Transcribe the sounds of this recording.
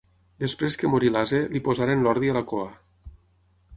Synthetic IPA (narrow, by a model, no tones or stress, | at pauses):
d̪espɾeskəmoɾilazelipozaɾenlɔɾðialakoa